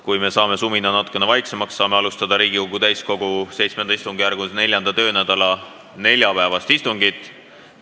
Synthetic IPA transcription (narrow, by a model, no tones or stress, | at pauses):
kujme̞sɑːme̞suminɑnɑt̪ːˑu̥kːˑe̞nevɑjkse̞mɑksːɑːme̞ɑlust̪ɑd̪̥ɑɾiːɡ̥ikoɡ̥ut̪æjsko̞ɡ̥use̞jt̪smed̪̥ɑist̪uŋɡ̥ijæɾɡ̥une̞lʲjɑnd̪̥ɑt̪ø̞ːnæd̪̥ɑlɑ | ne̞lʲjɑpæevɑst̪ist̪uŋɡit̪ːˑ